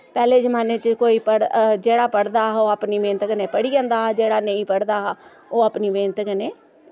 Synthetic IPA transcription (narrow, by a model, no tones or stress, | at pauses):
pɛːleːd͡ʒəmaːneːt͡ʃkoːiːpəɽd͡ʒeːɽaːpəɽd̪aːoːaːpniːʋẽːnt̪əkəneːpəɽiːd͡ʒãːnd̪aːd͡ʒeːɽaːnəĩːpəɽd̪aː | oːaːpniːʋẽːnt̪əkəneː